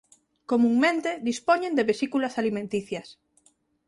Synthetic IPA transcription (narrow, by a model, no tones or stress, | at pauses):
komũŋmẽnt̪eðispɔɲẽnd̪eβesikulɐsalimẽnt̪iθjɐs